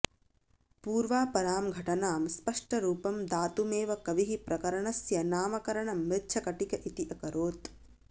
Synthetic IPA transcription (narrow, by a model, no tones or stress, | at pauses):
puːɾʋaːpɐɾaːmɡʱɐʈɐnaːmspɐʂʈɐɾuːpɐmd̪aːt̪umeːʋɐkɐʋiɦipɾɐkɐɾɐɳɐsjɐnaːmɐkɐɾɐɳɐmːɪt͡ʃʰɐkɐʈikɐʔit̪iʔɐkɐɾoːt̪